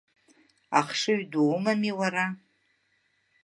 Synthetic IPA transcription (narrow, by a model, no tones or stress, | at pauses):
aχʂɨɥdumamiwaɾa